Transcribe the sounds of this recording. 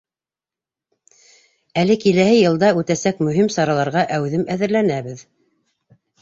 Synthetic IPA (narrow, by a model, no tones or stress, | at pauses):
ælɘkilæhɘjɤ̆lˠd̪ɑʉt̪æsækmɵ̆ɦimsɑɾɑlˠɑɾʁɑʔæwðɘmæðɘ̆ɾlænæβɘð